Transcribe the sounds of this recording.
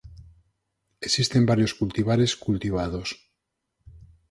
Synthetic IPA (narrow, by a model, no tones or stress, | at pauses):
esist̪e̞mbaɾjo̞skult̪iβ̞aɾe̞skult̪iβ̞að̞o̞s